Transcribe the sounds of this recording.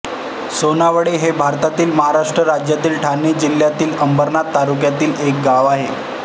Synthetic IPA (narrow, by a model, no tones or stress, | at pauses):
sonaʋəɽeɦebʱaɾt̪at̪iːlməɦaɾaʂʈɾəɾad͡ʑjat̪iːlʈʰanid͡ʑil̤ːjat̪iːləmbəɾnat̪ːaɾukjat̪iːlek̚ɡaʋaɦe